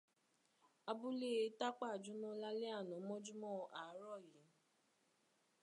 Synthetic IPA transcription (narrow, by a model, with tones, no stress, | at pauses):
a˧bu˦le˦ta˦k͡pa˦˨d͡ʒu˦nɔ̃˦la˦le˦a˦˨nɔ̃˨˦mɔ̃˦d͡ʒu˦mɔ̃˦˨ʔa˨˦ɾɔ˦˨ji˨˦